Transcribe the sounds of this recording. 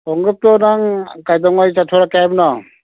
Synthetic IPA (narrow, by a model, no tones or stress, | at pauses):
ɔŋɡɯp̚tɔnaŋkajdɔŋɔjt͡ʃatʰɔɾakajamnɔ